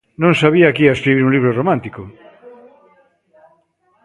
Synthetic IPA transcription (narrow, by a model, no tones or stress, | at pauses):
nõŋsaβiakiaeskɾiβiɾuŋliβ̞ɾoromãnt̪iko